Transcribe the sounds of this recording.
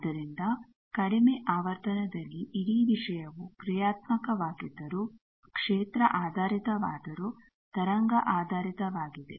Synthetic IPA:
d̪ɐɾind̪ɐ | kɐɽimeʔaːʋɐɾt̪ɐnɐd̪ɐlːiʔiɽiːʋiʂɐjɐʋukɾijaːt̪mɐkɐʋaːɡid̪ɐɾu | kʂeːt̪ɾɐʔaːd̪ʱaːɾit̪ɐʋaːd̪ɐɾu | t̪ɐɾɐŋɡɐʔaːd̪ʱaːɾit̪ɐʋaːɡid̪ḛ

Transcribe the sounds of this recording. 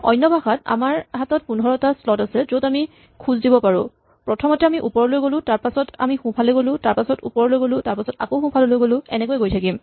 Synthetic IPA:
ɔ̰jnːɔbʱaxata̰maɹɦatɔt̚punɦɔɹɔtaslɔtasɛzotami | kʰũzdibɔpaɹʊ̃ | pɹɔtʰɔmɔtɛamiʔupɔɹɔlojɡolʊ̃taɹpasɔta̰mixũpʰalojɡolʊ̃taɹpasɔtṵpɔɹɔlojɡolʊ̃taɹpasɔta̰koʊxũpʰalolojɡolʊ̃ɛnɛkojɡojtʰakim

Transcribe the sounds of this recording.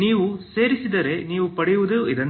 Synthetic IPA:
iːʋuse̞ːɾisid̪ɐɾe̞niːʋupɐɽɛjuʋud̪eoid̪ɐn

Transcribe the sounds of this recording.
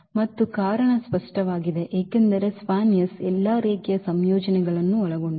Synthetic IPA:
mɐt̪ːukaːɾɐɳɐspɐʂʈɐʋaːɡid̪eʔeːkend̪ɐɾe̞spaːnjɐsɛlːaːɾeːkɛjɐsɐmjoːd͡ʒɐnɛɡɐɭɐnːuɔɭɐɡo̞ɳɖ

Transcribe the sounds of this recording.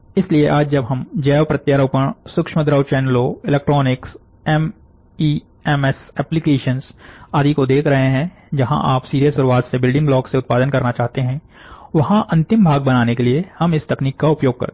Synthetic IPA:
ɪslieʔaːd͡ʒd͡ʒɐbɦɐmd͡ʒɛːʋpɾɐt̪jaːɾəʊpəɽ̃sʊkʃməd̪ɾəwt͡ʃɛːnloɪlɛːk̚ʈɾɔːnɪks | ɛm | iː | ɛmɛsɛːplikeːʃənzaːd̪ʱikod̪eːkʰɾɐɦeɦɛ̃ | d͡ʒɐɦã̰ʔaːpsiːɾijəsːʊɾuaːt̪sebɪlɖɪ̃ŋɡblɔːkseʊt̪̚paːd̪ənkɐɾnat͡ʃaːɦt̪eɦɛ̃ | ʋɐɦãʔɐ̃nt̪ɪ̃mbʱaːɡ̚bɐnaːnekeliehɐmɪst̪ɐkniːkːaʊpjoːɡ̚kɐ̰ɾt̪

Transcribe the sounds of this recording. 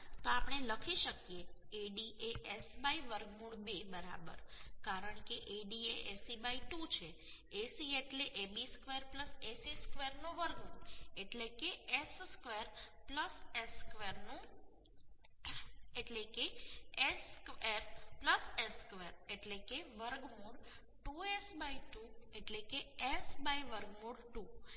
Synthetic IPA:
t̪oapɳ̃eləkʰiʃəkijeeɖiʔeʔesbaiʋəɾɡmũɽbebəɾa̰bə̰ɾkaɾəɳkeʔeɖieʔesibaiʈut͡ʃʰe | esieʈleʔebiskʋeɾpləsesiskʋeɾnoʋəɾɡmũɳeʈlekeesskʋeɾpləseskʋeɾnũ | eʈlekeeskeɾpləseskʋeɾeʈlekeʋəɾɡmoɖ | ʈuesbaiʈueʈlekeesbaiʋəɾɡmoɖʈu

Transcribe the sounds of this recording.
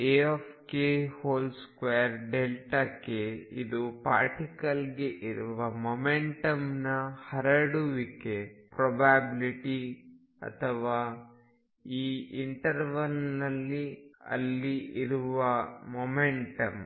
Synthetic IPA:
eopʰkehoːlskʋejɐɾɖelʈakeid̪upa̰ːɾʈikɐlɡeʔiɾuʋɐmomeɳʈɐmnɐhɐɾɐɽuʋikepɾɔbaːbiliʈi | ɐ̰t̪ʰɐʋaː | iːiɳʈɐɾʋɐlnɐlːiɐ̰lːiiɾuʋɐmomeɳʈɐm

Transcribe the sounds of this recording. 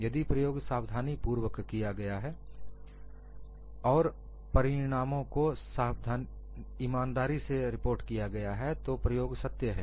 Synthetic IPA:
jɐd̪ipɾɐjoːɡsaːwd̪ʱaːnipuːɾwəkkːijaɡɐjaɦɛː | ɔːɾ | pɐɾɪɽ̃aːmõkosaːwd̪ʱaːn | iːmaːnd̪aːɾiseɾɪpoːɾʈkijaɡɐjaɦɛt̪opɾɐjoːɡsɐt̪jəɦɛ̰ː

